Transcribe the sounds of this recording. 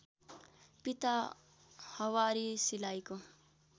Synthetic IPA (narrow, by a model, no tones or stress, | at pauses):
pit̪a | hʌwaɾisilajko